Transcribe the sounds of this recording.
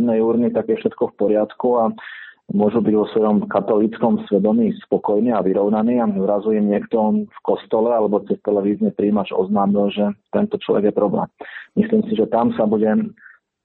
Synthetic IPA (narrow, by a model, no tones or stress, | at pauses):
nɛjuːɾnit̪akɛfʃɛt̪kɔfpɔɾɪat̪kuamʊɔʒubiɟʋɔsʋɔjɔmkat̪ɔlit͡skɔmsʋɛd̪ɔmiːspɔkɔjniːaʋiɾɔʊnaniːazɾazujimɲɪɛkt̪ɔfkɔst̪ɔlɛalɛbɔt͡sɛst̪ɛlɛʋiːzɲɛpɾiːmad͡ʒɔ̰znaːmilʒɛt̪ɛnt̪ɔt͡ʃlɔ̰ʋɛ̰ɡjɛpɾɔblɛ̰ːmːisliːmsiʒɛt̪amsabuɟɛ